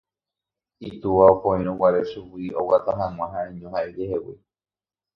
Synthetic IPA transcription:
it̪uʋaopõĩɾ̃õwʷaɾeʃuwiowat̪aɦãŋ̃ʷãɦaẽɲõɦaeɾehewḭ

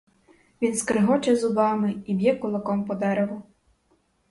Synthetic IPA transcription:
ʋʲinskɾɪɦɔt͡ʃɐzʊbɑmɪibʲjɛkʊlˠɐkɔmpɔd̪ɛɾew

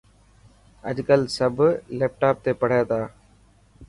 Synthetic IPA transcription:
ə̰ʄkəlsəbʱleːp̚ʈaːp̚t̪eːpəɽ̤aːt̪aː

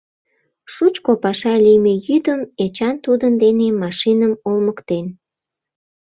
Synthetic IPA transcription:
ʃut͡ɕkopɑʃɑlijmejyd̪əmet͡ɕɑnt̪ud̪ənd̪enemɑʃinəmolməkt̪en

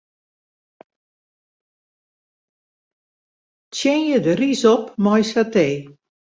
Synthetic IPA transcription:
tjɪnjədərisɔpmɔjsateː

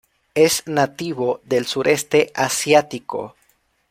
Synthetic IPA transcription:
eznat̪iβoðelsuɾe̞st̪eʔasjat̪iko̰

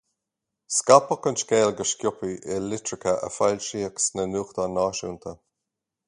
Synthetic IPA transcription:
skapəkʊnʃkeːlɡəʃkʲjʊpiʔɛlɪtɾɪkəʔə̰falʲʃiːəksnənuːxt̪aːnaːʃṵːnt̪ʰə

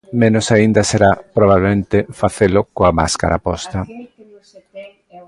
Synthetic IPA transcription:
mẽnʊsaind̪ɐseɾapɾoβ̞aβlemẽnt̪efaθelʊkoama̰ska̰ɾa̰pɔst̪ɐ

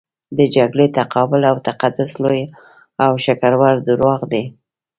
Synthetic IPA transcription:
d̪əd͡ʒaɡɽet̪aqʰɑbʊlawt̪aqad̪ʊsloj | awʃakaɾwaɾd̪ʊɾwɑɣd̪e

